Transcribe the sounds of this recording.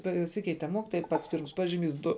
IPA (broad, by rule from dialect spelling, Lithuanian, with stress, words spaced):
pɐˈsʲɪkʲɛɪtʲɛ ˈmoːkʲiːtoːjɛ ɪ pɐts pʲiːrms ˈpɑːʒʲɪˌmʲiːs ˈdʊ